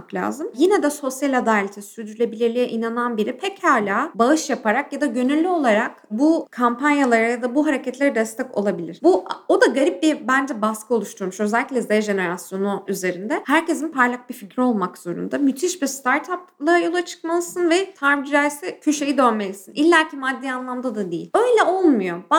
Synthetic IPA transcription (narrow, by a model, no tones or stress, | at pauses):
aklʲa̰ːzɯmjinɛd̪ɛso̞sjalʲad̪alʲet̪ʰisyɾyd̪yɾlʲebilʲeɾlʲijɛʔinananbiɾipʰɛchaːlʲaːbaɯʃjapaɾakjad̪aɟø̞nylʲːyo̞lˠaɾak̚bukʰampanjalˠaɾajad̪abuɦaɾecɛt̪lʲe̞ɾɛd̪ɛst̪ʰɛco̞lˠabilʲḭɾ̥buo̞d̪aɡaɾip̚bibænd͡ʒɛbaskʰɯo̞lˠuʃt̪ʰuɾmuʃø̞zɛlʲːicʲlʲɛzajaʒe̞ne̞ɾasjo̞nuyze̞ɾind̪ɛhæɾce̞zinpʰaɾlʲˠak̚bificɾio̞lˠmakz̥o̞ɾṵnd̪amyt̪ʰiʃbist̪ʰaɾt̪ʰaplˠaɾajo̞lˠat͡ʃʰɯ̥kmalˠɯsɯnvɛt̪ʰaɾvid͡ʒæɾsɛcʰyʃe̞jid̪ønme̞lʲisinʔilʲːæɾcʰimad̪ːiːanlˠamd̪ad̪ad̪ijḭlʲø̞jlʲɛʔolˠmujo̞ba